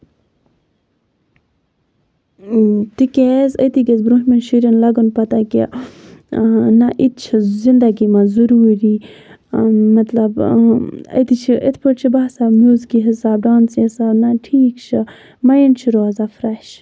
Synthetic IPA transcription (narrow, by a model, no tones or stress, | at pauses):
t̪ikʲezəjt̪iɡezbɾuːɦmenʃiɾɐnlɐɡonpɐt̪aki | naʔit̪̚t͡ʃʰizind̪ɐɡimazuɾuːɾiː | mɐt̪lɐb | ə̰jt̪it͡ʃʰiʔet̪ʰpʰoʈ̚t͡ʃʰibasamjuːzkiɦisaːb̚ɖaːnsesaːbnaʈʰiːkt͡ʃʰi | mɐjint͡ʃʰiɾoːzafɾɐʃ